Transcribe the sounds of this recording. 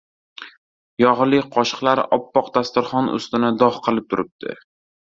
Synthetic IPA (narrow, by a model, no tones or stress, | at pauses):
jɒʁlɪqʰɒʃɨ̥qlˠaɾɪ̰ʔɒpːɒqd̪ast̪ʊɾχɒnʊ̰st̪ɪnɪd̪ɒχqʰɨlˠɪp̚t̪ʰʊɾɪp̚d̪̥ʰɪ̰